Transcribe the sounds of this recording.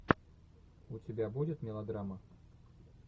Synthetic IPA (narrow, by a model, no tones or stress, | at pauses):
ut͡sʲɪbʲabud͡zʲɪt̪mʲɪlˠad̪ɾamɐ